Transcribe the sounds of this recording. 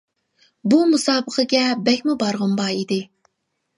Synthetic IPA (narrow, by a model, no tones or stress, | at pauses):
bumusɑːbəqʰəɡʲɛbɛkʲmubɑɾʁʊmbɑːid̪ɪ